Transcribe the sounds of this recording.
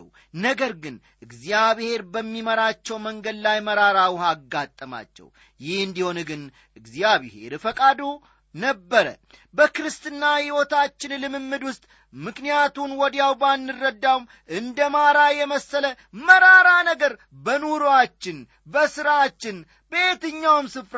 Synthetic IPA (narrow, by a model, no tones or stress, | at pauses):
w | nəɡəɾɡɨn | ʔɨɡzjaβhe̞ɾbəmːiməɾat͡ʃːɛwməŋɡəd̪lajməɾaɾawhaɡːat̪ʼːəma̰t͡ʃːɛ̰w | jɪhɨnd̪iho̞nɡɨn | ʔɨɡzijaβhe̞̰ɾfəkʼad̪o | nəbːəɾə̰bəkɨɾɨst̪ɨnːahiwot̪at͡ʃːɪnlɨmɨmːɨd̪wʊst̪ʼ | mɨknijat̪unwɔd̪jawbanːɨrːəd̪ːawm | ʔɨnd̪əmaɾajɛməsːələ | məɾaɾanəɡəɾ | bənuɾoat͡ʃːɪn | bəsɨɾat͡ʃːɪn | be̞t̪ɨɲːawmsɨfɾ